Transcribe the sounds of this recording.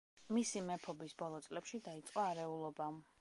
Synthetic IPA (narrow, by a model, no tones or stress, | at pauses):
misimɛpʰɔbisbɔlˠɔt̪sʼlɛpʃid̪ait̪sʼqʼɔaɾɛulˠɔba